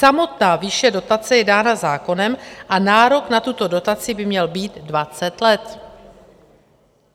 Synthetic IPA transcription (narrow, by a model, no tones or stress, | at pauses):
samo̞t̪naːvɪʃɛdo̞t̪at͡sɛjɛdaːnazaːko̞nɛmʔanaːɾo̞knat̪ut̪o̞do̞t̪at͡sɪbɪmɲɛlbiːd̪dvat͡sɛt̪lɛt̪